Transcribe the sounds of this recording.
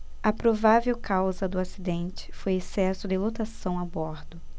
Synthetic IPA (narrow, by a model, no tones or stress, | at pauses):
ɐpɾovavewkawzɐd̪ʊasid̪ẽnt͡ʃɪ̥fojesɛsʊd̪ɪlot̪asɐ̃w̃abɔɾd̪ʊ